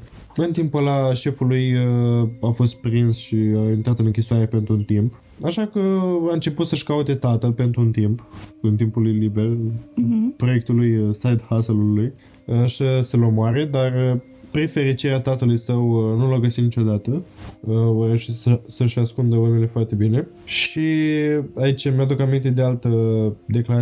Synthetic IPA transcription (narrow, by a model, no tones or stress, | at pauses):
ɨnt̪impəlaʃe̞fulujəafo̞st̪̚pɾinsʃiaint̪ɾat̪ɨnɨŋkʲisuaɾe̞pent̪ɾuunt̪imp | aʃakəaɨnt͡ʃe̞put̪səʃkaut̪e̞t̪at̪əlpe̞nt̪ɾuunt̪impɨnt̪impulujlibe̞r | pɾo̞je̞k̚t̪ulujsajd̪haseluluj | əʃəsəlomoaɾe̞d̪arə | pɾife̞ɾit͡ʃiɾeat̪at̪əlujsəwnulaɡəsit̪nit͡ʃo̞d̪at̪əəoɾeʃesəsəʃaskund̪əunele̞foart̪e̞bine̞ | ʃi | ait͡ʃʲmjad̪ukamint̪e̞d̪ealt̪əd̪e̞klaa